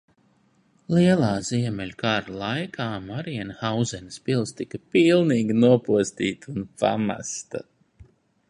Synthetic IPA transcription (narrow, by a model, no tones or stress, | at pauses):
lˠiɛlˠaːziɛmʲɛlʲkaːɾlˠajkʰaːmaɾiɛnhawzɛnʲspilˠst̪ikɐpilˠniːɡʲinuɔpuɔst̪iːt̪unpa̰ma̰st̪a̰